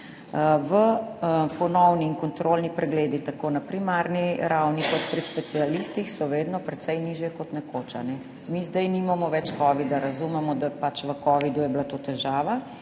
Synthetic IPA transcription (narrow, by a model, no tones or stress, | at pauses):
ʋəpɔnɔwniːnkɔnt̪ɾolnipɾɛɡleːd̪it̪akoːnapɾimaɾniɾawnikɔt̪pɾispɛt̪sialist̪ixsɔʋeːd̪nɔpɾɛt̪sɛjniʒjɛkɔt̪nɛkot͡ʃanɛ | mizd̪ɛjnimamɔʋɛt͡ʃkɔʋid̪aɾazumɛmɔd̪apat͡ʃʋəkɔːʋid̪ujɛbilat̪ot̪ɛʒaːʋa